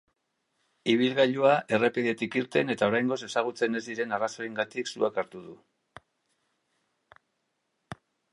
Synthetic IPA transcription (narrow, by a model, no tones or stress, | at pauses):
iβ̞ilɣaʎuaʔe̞re̞piðe̞t̪ikiɾt̪e̞ne̞t̪ao̞ɾajŋɡo̞se̞saɣ̞ut͡se̞ne̞zd̪iɾe̞naraso̞iŋɡat̪iksuakaɾt̪uð̞u